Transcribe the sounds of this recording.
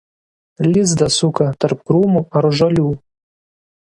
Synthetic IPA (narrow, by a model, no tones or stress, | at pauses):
lʲɪzd̪ɐsʊkɐt̪ɐɾpkɾuːmuɐɾʒɐlʲuː